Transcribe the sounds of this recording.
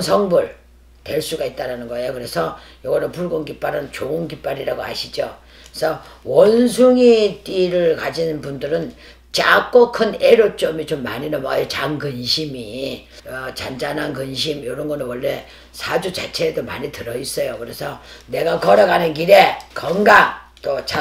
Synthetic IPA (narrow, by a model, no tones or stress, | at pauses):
sʰʌŋbɯɭ | twe̞ɭs͈uɡait̚t͈aɾanɯnɡʌejokɯɾe̞sʰʌjʌɡʌnɯnpuɭɡonɡip͈aɾɯnt͡ɕoɯnkip͈aɾiɾaɡoa̰ɕʰid͡ʑo | esʰʌwʌnsʰuŋit͈iɾɯɭkad͡ʑinpundɯɾɯn | t͡ɕa̰k͈okʰɯneɾot͡ɕ͈ʌmit͡ɕomːa̰ɲinama̰jet͡ɕaŋɡɯnɕʰimi | ʌt͡ɕand͡ʑanɦankɯnɕ̬ʰimjoɾʌnɡʌnɯnwʌɭːe̞ | sʰad͡ʑut͡ɕat͡ɕʰe̞ːdoma̰ɲitɯɾʌis͈ʌjokɯɾe̞sʰʌne̞ɡakʌɾʌɡanɯnkiɾe̞kʌŋɡaŋ | t͈ot͡ɕa